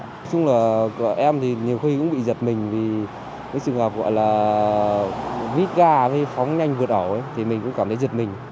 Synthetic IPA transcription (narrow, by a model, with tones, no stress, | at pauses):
sʊ˧ŋ͡mlaː˨˩kʔɛ˧mt̪ʰi˨˩ɲi˨˩əwxi˧kʊ̰˧˥ŋ͡mɓḭ˧˨zə˨˩t̚mï˨˩ŋ̟vi˨˩ | kɨ̰˧˥ŋsɨ˨˩ə˩ŋəː˨˩p̚ɣɔ̰˧˨jlaː˨˩ | vi˦˥t̚ɣaː˧ve˨˦fɔ˨˦wŋ͡mɲa˧jŋvɨ˨˩ət̚ʔə˧˩wə˨˦jt̪ʰi˨˩mï̟˨˩kʊ̰˧˥ŋ͡mkaː˧˩mt̪ʰə˨˦zt̚mï˨˩ŋ̟